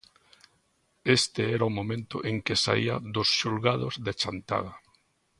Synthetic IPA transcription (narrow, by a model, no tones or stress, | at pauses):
est̪ɪɛɾaʊmõmẽnt̪ʊ̰ʔeŋkɪsa̰ḭa̰d̪ʊsʃulɣaðozðet͡ʃant̪a̰ða